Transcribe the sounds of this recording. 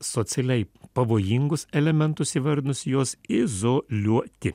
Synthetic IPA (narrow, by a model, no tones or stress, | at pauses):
soːt̪sʲɛlʲɛɪpɐʋoːjɪŋɡʊsɛlʲɛmʲɛnt̪ʊsiːʋɐɾʲd̪nʊsʲjoːsɪzolʲuɔt̪ʲɪ